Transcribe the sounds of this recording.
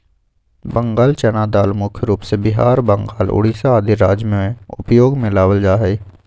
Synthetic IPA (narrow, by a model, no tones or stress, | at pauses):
bə̃ŋɡaːlt͡ʃɛnaːd̪aːlmʊkʰjəɾuːpsebɪɦaːɾbə̃ŋɡaːlʊ̰ɽiːsaaːd̪iɾaːd͡ʒmeẽʊ̰pjoːɡmẽlaːwəld͡ʒaːɦɛː